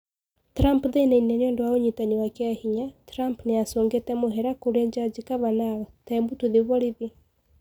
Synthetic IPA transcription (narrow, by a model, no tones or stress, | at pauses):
tɾampðenainɛneoːndowaoɲitaɲiwakeahiɲatɾampneasoːŋɡetɛmoɦɛɾakoɾɛɲd͡ʒad͡ʒikaβanaɣɔtaɛmbutuðeβɔɾiβe